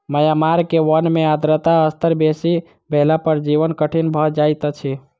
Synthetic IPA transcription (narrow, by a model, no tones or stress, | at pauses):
məjamaɾkeʋənmead̪ɾət̪aəst̪əɾbesi | bʱelapəɾd͡ʒiʋənkəʈʰinbʱəd͡ʒajt̪t͡ʃʰi